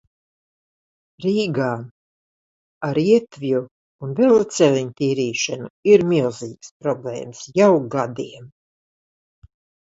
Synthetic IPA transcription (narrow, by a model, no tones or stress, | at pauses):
ɾiːɡaːm | aɾiɛt̪viju | unvɛlat̪sɛlʲiɲt̪iːɾiːʃanuiɾmilˠziːkspɾɔblḛːmsjawɡad̪iɛm